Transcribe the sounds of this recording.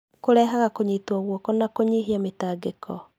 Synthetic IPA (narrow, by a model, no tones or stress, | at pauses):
koɾɛːɦaɣakoɲitwɔɣwɔkɔnakoɲiɦiametaːɡekʰɔ